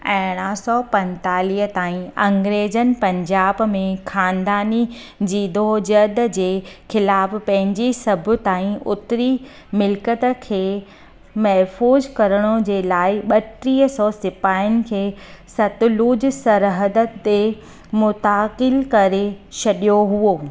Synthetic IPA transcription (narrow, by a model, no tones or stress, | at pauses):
ɛ̃ːɽ̃asɔːpɐ̃nt̪aːliːɦət̪aːĩɐ̃ŋɡɾeːd͡ʑənɪ̆pɐ̃ɲd͡ʑaːbmẽxaːnd̪aːni | d͡ʑiːd̪oːd͡ʑɐd̪̆d͡ʑeːxɪlaːfpɐ̃ɦɪ̃ɲd͡ʑisɐbʱʊ̆t̪aːĩʔʊt̪ɾi | mɪlkət̪̆kʰeː | mɐɦfuːzkɐɾəɽ̃ʊd͡ʑeːlaːɪɓɐʈɾiːɦəsɔːsɪpaːɪʊnɪ̆kʰeːsɐt̪ʊluːd͡ʑsɐɾɦəd̪ət̪e | mʊt̪aːqɪlkɐɾet͡ɕʰɐɗijoɦuoː